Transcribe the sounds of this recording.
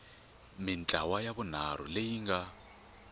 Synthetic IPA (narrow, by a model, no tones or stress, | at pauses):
mɪnt͡ɬʼawajaβun̤aɾ̤ṵlejiŋɡa